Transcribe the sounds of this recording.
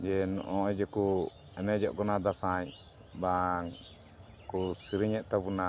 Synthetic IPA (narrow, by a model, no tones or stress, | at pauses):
d͡ʒɛnɔ̰ʔɔd͡ʒɛku | ɛnɛd͡ʒɔʔkɔnad̪asaɲ | baŋ | kusiɾiɲɛʔt̪abuna